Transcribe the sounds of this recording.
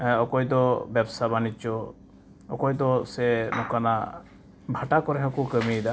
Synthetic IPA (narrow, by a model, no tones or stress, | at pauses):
ɔkɔjd̪ɔbjɛbsabanit͡ʃɔ | ɔ̰kɔjd̪ɔsenɔkana | bʱaʈakɔɾɛɦɔ̃kukəmid̪a